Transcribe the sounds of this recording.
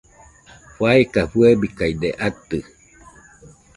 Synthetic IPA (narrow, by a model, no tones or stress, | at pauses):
ɸwaekafuebikajd̪eʔat̪ɨ